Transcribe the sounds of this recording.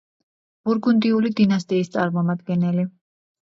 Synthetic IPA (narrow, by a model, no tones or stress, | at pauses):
b̥uɾɡund̪iulid̪inast̪ʼiːst̪sʼaɾmɔmad̪ɡɛnɛli